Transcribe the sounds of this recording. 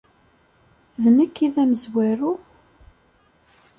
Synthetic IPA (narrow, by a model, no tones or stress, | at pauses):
ðnəkːiðæməzwæɾu